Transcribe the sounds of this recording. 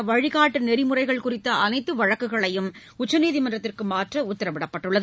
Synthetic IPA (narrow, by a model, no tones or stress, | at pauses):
ʋɐɻɪɣaːʈːɯnɛɾɪmɯrɐɪɣɐɭkʊrɪt̪ːɐʔɐnɐɪt̪ːɯʋɐɻɐkːɯɣɐɭɐjɯm | ʊt͡ʃːɐniːðimɐndrɐt̪ːɪrkɯmaːʈrɐʊt̪ːɐɾɐʋɪɽɐpːɐʈːɯɭːɐð